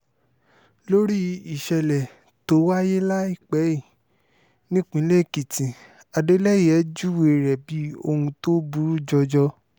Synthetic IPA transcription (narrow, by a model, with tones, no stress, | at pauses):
lo˦ɾi˦i˨ʃɛ˧lɛ˨ | to˨˦wa˦je˦la˦i˦˨k͡pɛ˨˦i˦˨ | nĩ˦k͡pĩ˨˦le˦˨ki˨tĩ˨ | a˨de˦lɛ˦jɛ˨˦d͡ʒu˦we˨ɾɛ˨bi˨˦o̰˧hũ˧to˦bu˧ɾu˦d͡ʒɔ˧d͡ʒɔ˧